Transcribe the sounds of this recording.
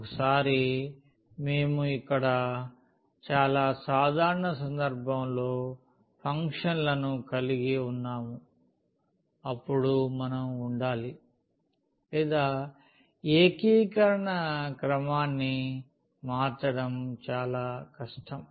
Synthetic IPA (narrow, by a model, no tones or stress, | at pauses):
kɐsaːɾi | me̞ːmuikːɐɽɐ | t͡ʃaːlaːsaːd̪ʱaːɾɐɳɐsɐnd̪ɐɾbʱɐmlo̞ː | pʰɐŋkʂɐnlɐnukɐliɡiunːaːmu | ɐpːuɽumɐnɐmuɳɖaːli | lɛːd̪aː | eːkiːkɐɾɐɳɐkɾɐmaːnːi | maːt͡ʃːɐɽɐmt͡ʃaːlaːkɐʂʈɐm